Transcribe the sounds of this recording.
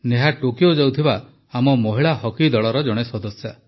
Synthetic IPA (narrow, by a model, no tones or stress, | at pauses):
neɦaʈokjod͡ʒawt̪ʰiba | amɔmɔɦiɭaɦɔkid̪ɔɭɔɾɔd͡ʒɔɽ̃esɔd̪ɔsja